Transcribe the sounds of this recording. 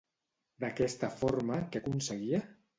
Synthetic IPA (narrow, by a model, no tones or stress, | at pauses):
d̪akɛst̪əfoɾmakəkunsəɣiə